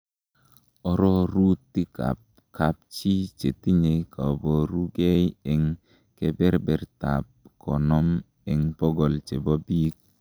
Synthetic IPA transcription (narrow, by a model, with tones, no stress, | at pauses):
ɔ˦ɾɔ˦ɾu˦tːi˦ka̰˨p̚ | kʰa˨p̚t͡ʃi˦t͡ʃe˨ti˦ɲe˨ka˨bɔ˨ɾu˦ɡe˦jɛ˨ŋ | ke˦bɛ˦ɾbɛ˨ɾta̰˨p̚kʰɔ˨nɔ˦m | ɛ˨ŋpɔ˦ɡɔ˨lt͡ʃe˨bɔ˦bi˦k̚